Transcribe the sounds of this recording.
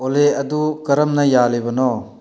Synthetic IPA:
oleɐdukɐɾɐmnɐjalejbɐnɔ

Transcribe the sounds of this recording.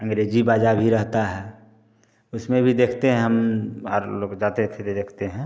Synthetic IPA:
ə̃ŋɡɾeːd͡ʒibaːd͡ʒabʱiɾəɦt̪aɦɛː | ʊsmẽbʱid̪eːkʰt̪eɦɛ̃ɦəmɔːɾloːkd͡ʒaːt̪et̪ʰet̪ed̪eːkʰt̪eɦɛ̃ː

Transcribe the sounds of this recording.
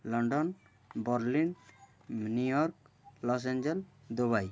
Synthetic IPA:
lɔɳɖɔn | bɔɾlin | nujɔɾk̚ | lɔs̬ɛnd͡ʒɛld̪ɔβaj

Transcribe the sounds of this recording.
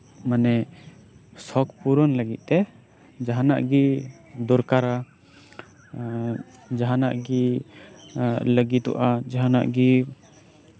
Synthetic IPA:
manɛ | sɔkpuɾɔnləɡit̪̚ˀt̪ɛ | d͡ʒaɦanaʔɡi | d̪ɔɾkaɾa | d͡ʒaɦanaʔɡi | ləɡit̪ɔ̰ʔad͡ʒaɦana̰ʔɡi

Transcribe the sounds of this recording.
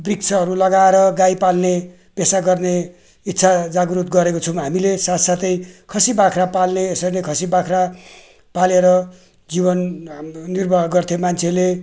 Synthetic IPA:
briksʰʌɦʌɾulʌɡaeɾʌɡaipalne | pesaɡʌrne | it̪ːsʰad͡zaɡɾut̪ɡʌɾekot͡sʰʌwɦamilesat̪sat̪ʌjkʰʌsibakʰrapalneːsʌjnekʰʌsibakʰra | paleɾʌ | d͡zibʌnː | irbʌɦɡʌrt̪ʰemant͡sʰele

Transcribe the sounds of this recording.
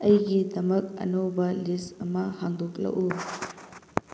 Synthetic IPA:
ʔɐjɡidɐmɐk̚ɐ̰nɐwbɐlisɐmɐhaŋdok̚lɐ̰ʔu

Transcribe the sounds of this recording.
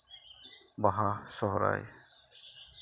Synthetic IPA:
baɦasɔɦɔɾa̰j

